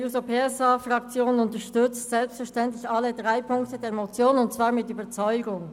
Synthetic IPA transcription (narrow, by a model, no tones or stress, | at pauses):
usopʰeːɛsafʁakt͡sjoːnʊntəʃtʏt͡stz̥ɛlpstfɛɐʃtɛntlɪçalədʁaɪpʰʊŋktədɛːɐmot͡sjoːnənʊntt͡sv̥aːʁmɪtyːbɐt͡sɔʏɡʊŋ